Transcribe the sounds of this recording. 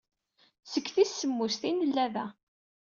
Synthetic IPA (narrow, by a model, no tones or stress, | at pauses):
səkːθisːəmːust̪inəlːæðæ